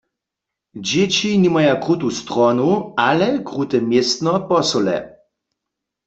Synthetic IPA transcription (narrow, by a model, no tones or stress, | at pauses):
d͡ʑet͡ɕinimajakʁut̪ust̪ʁɔnualɛkʁut̪ɛmjest̪nɔpɔsɔlɛ̰